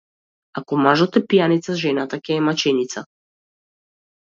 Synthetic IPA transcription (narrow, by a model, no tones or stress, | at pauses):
akɔmaʒɔt̪ɛpijanit̪saʒɛnat̪akɛːmat͡ʃɛnit̪sa